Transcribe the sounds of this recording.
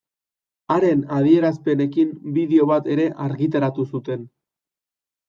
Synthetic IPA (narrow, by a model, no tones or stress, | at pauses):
aɾe̞nað̞ie̞ɾaspe̞ne̞kimbiðeo̞βat̪e̞ɾe̞ʔaɾɣit̪aɾat̪usut̪e̞n